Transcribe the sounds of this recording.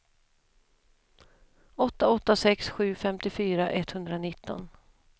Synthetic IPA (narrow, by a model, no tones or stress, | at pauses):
ɔt̪ːaɔt̪ːasɛksɧʉ̟ːfɛmt̪ɪfyːɾaʔɛt̪hɵnd̪ɾanɪt̪ːɔ̰n